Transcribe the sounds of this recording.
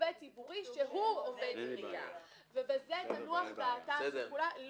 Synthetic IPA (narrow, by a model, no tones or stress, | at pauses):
vet͡sibuʁiʃeɦuoved̪minija̰ | vebezetanuaχbaatakulal